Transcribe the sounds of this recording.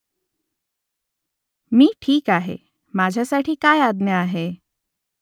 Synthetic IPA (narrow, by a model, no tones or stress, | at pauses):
miːʈʰiːkaɦḛ | mad͡ʑʱjasaʈʰiːkajad̪njəaɦe